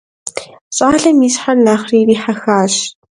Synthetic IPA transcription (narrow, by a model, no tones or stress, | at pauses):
ɕʼaːɮɐmiːsħarnaːχriːriːħaxaːɕ